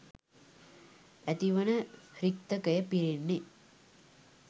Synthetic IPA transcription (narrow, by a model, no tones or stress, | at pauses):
æt̪iʋənərik̚t̪əkəjəpiɾinːe